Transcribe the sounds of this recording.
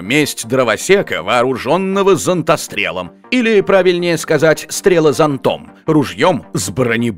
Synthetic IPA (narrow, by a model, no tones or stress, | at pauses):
mʲesʲtʲd̪ɾəvɐsʲekə̰vɐːɾʊʐonːəvəzənt̪ɐst̪ɾʲḛlˠə̰m | ilʲɪpɾavʲɪlʲnʲɪjəskɐzatʲst̪ɾʲelˠəzɐnt̪o̰mrʊʐjomzbrənʲɪ